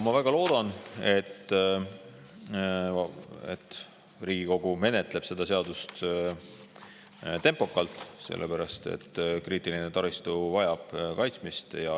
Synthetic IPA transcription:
mɑvæɡ̥ɑlo̞ːd̪̥ɑne̞t̪ː | ḛt̪ːˑ | riːɡ̥iko̞ɡ̥ume̞net̪ˑle̞b̥se̞d̪̥ɑs̬e̞ɑd̪̥ust̪ | t̪e̞mpo̞kːˑɑlt̪ˑse̞̰lːepæɾɑst̪ḛt̪ːkriːt̪ːˑilinet̪ɑɾist̪uvɑjɑb̥kɑjt̪smist̪jɑ

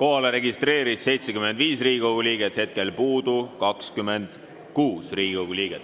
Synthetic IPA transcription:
ko̞ɦɑleɾe̞ɡist̪re̞ːɾisːe̞jt̪sekymend̪viːsriːɡ̥ʲikoɡ̥uliːɡ̥et̪he̞t̪̚ke̞lpuːd̪̥ukɑkskymend̪̥ | kuːsriːɡ̥ikoɡuliːɡ̥et̪ːˑ

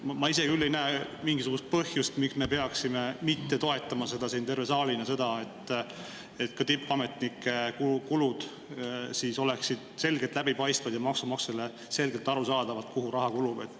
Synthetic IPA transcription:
mɑis̬e̞ɡ̥iylːejnæːmiŋɡisuɡ̥ust̪̚pɤhjust̪miksme̞pe̞ɑksime̞mit̪ːe̞t̪o̞e̞t̪ːˑɑmɑse̞d̪̥ɑsiːnt̪e̞rve̞sɑːlinɑse̞d̪ɑe̞t̪ː | et̪kɑt̪ipːˑɑme̞t̪nikːe̞kukulud̪̥ | siso̞le̞ksid̪̥se̞lɡet̪læbipɑjst̪vɑd̪jɑmɑksumɑksele̞ | se̞lɡe̞lt̪ːˑɑɾusɑːd̪̥ɑvɑt̪kuɦuɾɑɦɑkulub̥et̪ˑː

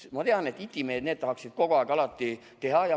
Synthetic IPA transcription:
mɑt̪e̞ɑne̞t̪ːˑit̪ʲːˑimeːd̪̥neːd̪t̪ɑɦɑksid̪̥ko̞ɡ̥oɑːˑkɑlɑt̪ːˑi | t̪e̞ɦɑjɑ

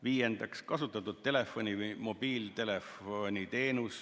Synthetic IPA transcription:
viːje̞nd̪̥ɑkskɑsut̪ːˑɑt̪ːˑud̪̥̚t̪e̞le̞fːo̞nʲimo̞b̥iːlt̪e̞lefonʲit̪e̞ːnus

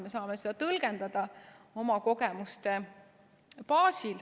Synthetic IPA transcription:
mesɑːme̞se̞d̪ɑt̪ɤlɡend̪̥ɑd̪̥ɑo̞mɑko̞ɡemust̪e | pɑːsil

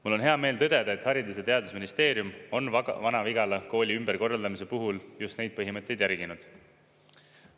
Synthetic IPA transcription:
mulːo̞nɦe̞ɑme̞ːlt̪ɤd̪̥e̞d̪̥ɑet̪hɑɾid̪us̬et̪e̞ɑd̪usminist̪e̞ːɾjumo̞nvɑnɑviɡ̥ɑlɑko̞ːlʲiymberko̞rːɑld̪ɑmise̞puɦuljust̪ne̞jd̪̚pɤɦimɤt̪ˑːe̞jd̪jæɾɡ̥inud̪̥

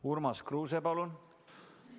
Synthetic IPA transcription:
uɾmɑskruːs̬epɑlun

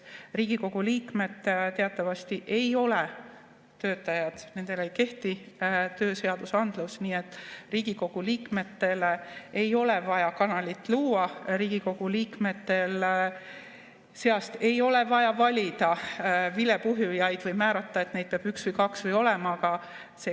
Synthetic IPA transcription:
riːɡ̥iko̞ɡ̥uliːkme̞d̪̥t̪e̞ɑt̪ˑːɑvɑst̪iʔe̞jo̞le | t̪ø̞ːt̪ːˑɑjɑd̪̥ne̞nd̪̥e̞lejke̞ht̪it̪øːse̞ɑd̪̥usɑnd̪̥lusniːe̞t̪ːˑriːɡ̥iko̞ɡ̥uliːkme̞t̪ːe̞leejo̞levɑjɑkɑnɑlʲit̪ːˑluːɑɾiːɡ̥iko̞ɡ̥uliːkme̞t̪ːe̞l | se̞ɑst̪e̞jo̞le̞vɑjɑvɑlʲid̪̥ɑvile̞puɦjujɑjd̪̥vɯjmæːɾɑt̪ːˑɑe̞t̪ne̞jd̪̥̚peɑb̥yksvɨjkɑksvɯjo̞lɛmɑːɡɑ | se

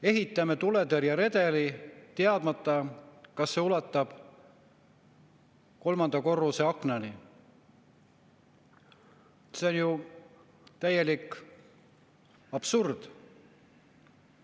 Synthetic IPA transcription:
e̞ɦit̪ːˑɑmet̪ule̞d̪eɾjɑɾe̞d̪e̞lit̪eɑd̪̥mɑt̪ˑːɑkɑsːe̞ulɑt̪ːˑɑb̥ | ko̞lmɑnd̪̥ɑko̞rːuse̞ɑknɑni | se̞o̞nju | t̪æje̞likˑ | ɑb̥surd̪̥

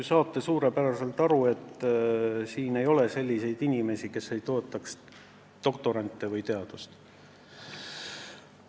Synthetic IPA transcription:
sɑːt̪ːe̞suːɾe̞pæɾɑse̞lt̪ɑɾue̞t̪ː | siːne̞jo̞le̞se̞lʲːise̞jd̪inʲime̞sike̞se̞jt̪o̞ːt̪ːˑɑks | d̪̥o̞kt̪o̞ɾɑnt̪ˑːevɯjt̪e̞ɑd̪̥ust̪

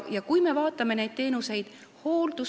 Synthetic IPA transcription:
jɑkujme̞vɑːt̪ːˑɑme̞ne̞jd̪̥̚t̪e̞ːnuse̞jd̪̥ | ho̞ːld̪̥u

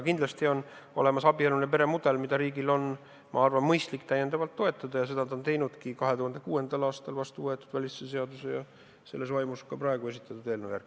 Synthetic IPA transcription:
kind̪lɑst̪io̞n | o̞̰le̞mɑsɑbielunep̬e̞ɾe̞mud̪̥e̞lmid̪ɑɾiːɡilo̞n | mɑɑrvɑnmɤjst̪likːt̪æjend̪̥ɑvɑlt̪ːo̞et̪ːˑɑd̪̥ɑjɑse̞d̪ɑt̪ɑnt̪e̞jnud̪kikɑɦe̞t̪uhɑnd̪e̞kuːe̞nd̪̥ɑlɑːst̪ɑlvɑst̪uvɤet̪ːˑud̪vælʲisses̬e̞ɑd̪usejɑ | se̞lːe̞svɑjmuskɑpɾɑe̞ɡ̥ue̞s̬ʲit̪ːˑɑt̪ːˑud̪e̞ːlnojærɡ̥

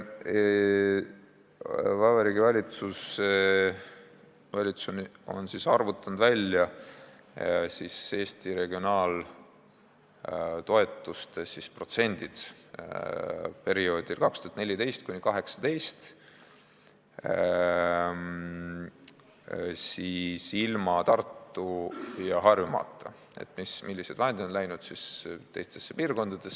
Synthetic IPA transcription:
vɑveɾiːɡivɑlʲit̪sus | vɑlʲit̪suno̞̰nsisɑrvut̪ːˑɑnd̪vælʲjɑ | sise̞ːst̪iɾe̞ɡio̞nɑːl | t̪o̞e̞t̪ˑːust̪esispro̞t̪se̞nʲd̪̥id̪̥ | pe̞ɾio̞ːd̪̥ilkɑkst̪uɑt̪ne̞lʲit̪e̞jst̪̚kunʲikɑɦe̞ksɑ̥t̪e̞jst̪ | sisilmɑt̪ɑrt̪ːujɑɦɑrjumɑ̰ːt̪ˑːɑ | ḛt̪ːˑmismilːise̞d̪vɑɦend̪id̪onlæjnud̪̥sist̪e̞jst̪e̞sːepiːrko̞nd̪ɑd̪̥e̞s

